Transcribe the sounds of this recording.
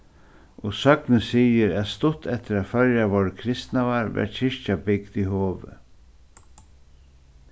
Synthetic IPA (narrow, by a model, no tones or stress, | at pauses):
ɔsœknəsiːjəɾæðst̪ʊt̪ɛt̪əɾæːðfœɾjaʋɔːɹəkʰɾɪst̪naʋaɾʋɛ̰ʈçɪʃcabɪkd̪iɦoːʋə̰